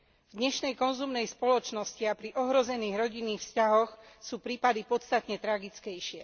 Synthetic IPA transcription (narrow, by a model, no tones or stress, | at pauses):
vd̪ɲɛʃnɛjkɔnzumnɛjspɔlɔt͡ʃnɔsciapɾiʔɔɦɾɔzɛniːɣɾɔɟinːiːxfscaɦɔxsuːpɾiːpad̪ipɔt̪t͡st̪at̪ɲɛt̪ɾaɡit͡skɛjʃɪɛ